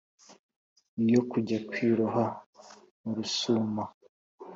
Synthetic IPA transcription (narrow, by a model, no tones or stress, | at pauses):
ijo̞kuɟakwiːɾuɦa | muɾusuma